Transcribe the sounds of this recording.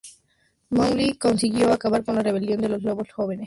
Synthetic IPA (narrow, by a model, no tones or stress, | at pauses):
moŋliko̞nsiɣjoakaβaɾko̞nlare̞β̞e̞ljo̞nd̪e̞lo̞zloβosxoβenes